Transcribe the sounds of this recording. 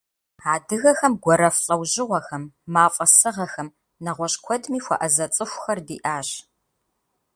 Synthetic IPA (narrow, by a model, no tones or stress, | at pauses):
aːdɨɣɐxɐmɡʷɔɾɐfɬʼɐwʑɪʁʷɐxɐmːaːfʼɐsɨʁɐxɐm | nɐʁʷɔɕʼkʷʰɔdmiːxʷɐ̰ʔɐzɐt͡sʼɨxʷxɐrdḭːʔaːɕ